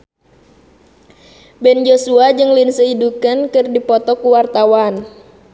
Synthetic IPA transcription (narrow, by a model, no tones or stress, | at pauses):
bɛnd͡ʒosuad͡ʒɨŋlinsəidukankɨrdipɔt̪ɔkuwart̪awan